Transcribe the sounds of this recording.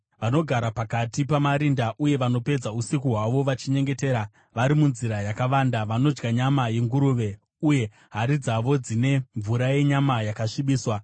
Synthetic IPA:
ʋano̞ɡʱaɾapakatipamaɾindaʔuje̞ʋano̞pe̞d͡zausikuɦwaʋo̞ʋat͡ʃiɲe̞ŋɡe̞te̞ːɾa | ʋaɾimunziɾajakaʋaːndaʋano̞d͡ʒɡaɲamaje̞ŋɡuɾuʋe̞ | uje̞ | ɦaɾid͡zaʋo̞d͡zine̞ɱvuɾaje̞ɲamajakaʂiɓiːswa

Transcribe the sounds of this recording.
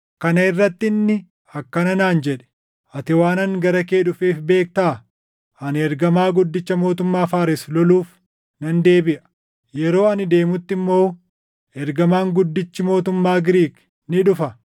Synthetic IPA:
kɐnɐɪrːɐt̪ːɪnːɪ | ɐkːɐnɐnaːnd͡ʒɛᶑɛ̥ | ʔɐt̪ɪwaːnɐŋɡɐɾɐkeːᶑʊfeːfbe̞ːk̚t̪aː | ɐnɛɾɡɐmaːɡʊd̪ːɪt͡ʃːɐmo̞ːt̪ʊmːaːfaːɾɪslɔluːf | nɐnd̪e̞ːbɪʔɐ̥ | jɛɾo̞ːɐnɪd̪e̞ːmʊt̪ːɪmːo̞ː | ʔɛɾɡɐmaːŋɡʊd̪ːɪt͡ʃːɪmo̞ːt̪ʊmːaːɡɪɾiːk | nɪᶑʊfɐ

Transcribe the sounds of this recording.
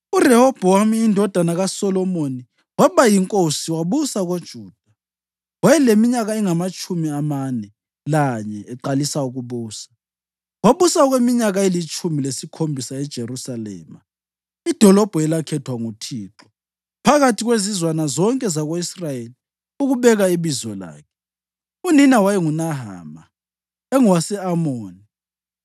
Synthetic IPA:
urɛhɔb̥ʱɔamiːndʱɔd̥ʱanaɣasɔlɔmoni | waβajiŋkʼosiwaβusaɣod̥ʒ̥ʱuːd̥ʱa | wajɛlemiɲaɣaɛŋamat͡ʃʼumiamanɛ | laɲɛɛǃalisauɣuβuːsḁ | waβusaɔɣwemiɲaɣaelit͡ʃʰʼumilesikʰombʱisaɛd̥ʒ̥ʱerusalɛ̰ːma | id̥ʱɔlɔb̥ʱuɛlakʰɛtʰwaŋutʰiːǁɔ̥ | pʰaɣatʰiɣwezizwanazɔŋkʼɛzaɣoisrajeli | uɣuβɛɣaiβizɔla̰ːkʰɛ̥ | uninawajɛŋunaɦa̰ːma | ɛŋuwasɛamoːni

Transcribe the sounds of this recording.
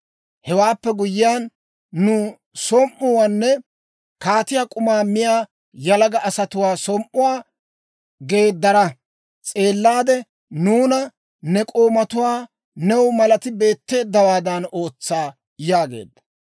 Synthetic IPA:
hɛwaːpːɛɡʊjɪjaːnː | ʊ | sɔmʔːʊwaːnːɛ | kaːt̪ɪjaːkʼʊmaːmɪjaː | jɐlɐɡɐʔɐsɐt̪ʊwaːsɔmʔːʊwaː | ɡe̞ːd̪ːɐɾɐ | t͡sʼe̞ːlːaːd̪ɛ | nuːnɐ | nɛkʼoːmɐt̪ʊwaː | nɛwmɐlɐt̪ɪbe̞ːt̪ːe̞ːd̪ːɐwaːd̪ɐno̞ːt͡sːaː | jaːɡe̞̰ːd̪ːɐ̥

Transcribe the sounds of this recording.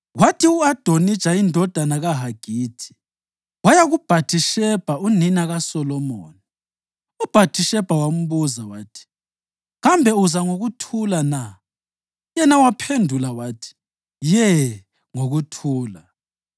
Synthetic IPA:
watʰiuad̥ʱonid̥ʒ̥ʱaindʱɔd̥ʱanaɣaɦaɡ̥ʱiːtʰi̥ | wajaɣub̥ʱatʰiʃɛb̥ʱauninaɣasɔlɔmoːni | ub̥ʱatʰiʃɛb̥ʱawam̩βuzawaːtʰi̥ | ɣambʱɛuzaŋoɣutʰulana | jɛnawapʰendʱulawaːtʰi̥ | jɛ | ŋoɣutʰuːla

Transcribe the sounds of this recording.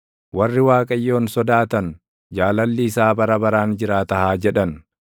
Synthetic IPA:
wɐrːɪwaːkʼɐjːo̞ːnsɔd̪aːt̪ɐn | d͡ʒaːlɐlːiːsaːbɐɾɐbɐɾaːnd͡ʒɪɾaːt̪ɐhaːd͡ʒɛᶑɐn

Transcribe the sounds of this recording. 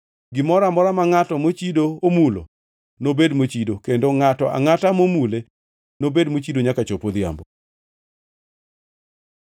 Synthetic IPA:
ɡɪmɔɾamɔɾamaŋatɔmot͡ʃidoomulo̰ | nobedmot͡ʃidokendoŋatɔʔa̰ŋatamomule | nobedmot͡ʃidoɲakat͡ʃopod̪ɪja̰mbo

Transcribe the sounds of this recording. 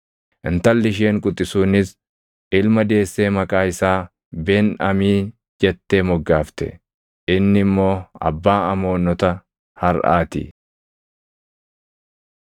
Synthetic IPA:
ʔɪnt̪ɐlːɪʃ̬e̞ːŋkʼʊt̪ʼːɪsuːnɪs | ʔɪlmɐd̪e̞ːsːe̞ːmɐkʼaːɪsaː | beːnɐmiː | d͡ʒɛt̪ːeːmɔɡːaːft̪ɛ̰ | ʔɪnːɪmːo̞ːɐ̰bːaːɐmo̞ːnːɔt̪ɐ | hɐɾʔa̰ːt̪ɪ̰

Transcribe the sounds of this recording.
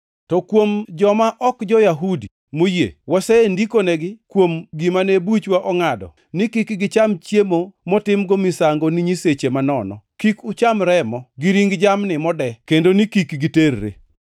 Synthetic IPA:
tɔkwomd͡ʒɔmaʔɔkd͡ʒɔjaɦudi | mojḛwɔsɛendikoneɡɪkwomɡimanebut͡ʃwaʔɔŋadɔ̰ | nɪkikɡɪt͡ʃamt͡ʃjemomɔtɪmɡomisaŋɡoniɲiset͡ʃemanɔnɔ̰kikʊt͡ʃamɾɛmɔɡɪɾiŋɡd͡ʒamnɪmɔdɛkendonɪkikɡiterːḛ

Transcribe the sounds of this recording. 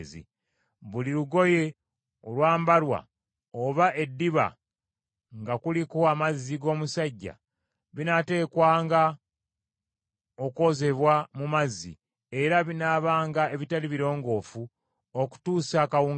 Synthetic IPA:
zḭ | βuliɾuɡo̞je̞ | olwaːmbalwa̰ | oβaʔe̞dːiβa̰ | ŋɡakulikoamazːiɡo̞ːmusaɟːa̰ | βinate̞ːkwaːŋɡa | o̞ko̞ze̞βwamumazːḭ | e̞ɾaβinaːβaːŋɡae̞βitaliβiɾo̞ːŋɡo̞ːfu | oku̥tuːsakawuː

